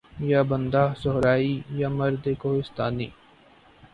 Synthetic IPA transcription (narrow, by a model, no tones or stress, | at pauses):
jabənd̪aːsɔɦɾaːijamɐɾd̪ekoːɦɪst̪aːnḭː